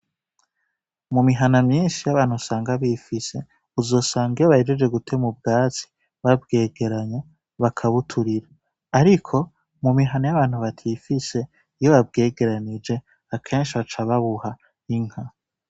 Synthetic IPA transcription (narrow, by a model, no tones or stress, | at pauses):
mumiɦanamɲiːnʃijaβaːn̥husaːŋɡaβifise̞ | uzo̞ːsaːŋɡijoβahed͡ʒed͡ʒe̞ɡutʰe̞mub̚ɡaːt͡si̥ | βab̚ɡe̞ːɡe̞ɾaɲa | βakʰaβutʰuɾiɾaː | ɾikʰo̞ | mumiɦanajaβaːn̥huβatʰifise̞ | ijoβab̚ɡe̞ːɡe̞ɾanid͡ʒe̞ | akʰe̞ːnʃiβat͡ʃaβaβuha | iŋ̥ha